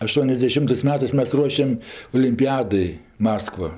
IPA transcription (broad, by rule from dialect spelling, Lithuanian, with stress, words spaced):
ɐˌʃtuɔnʲɛzʲdʲɛˈʃʲɪmtɜs ˈmʲæːtɜs ˈmʲɛs ˈruɔʃʲɛm oːlʲɪmʲˈpʲɪjɛdɐɪ ˈmɑːskʋɐ